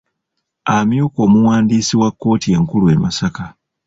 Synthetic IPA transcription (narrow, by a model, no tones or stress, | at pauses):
amjuko̞ːmuwaːndiːsiwakːo̞ːtie̞ŋkulue̞masaka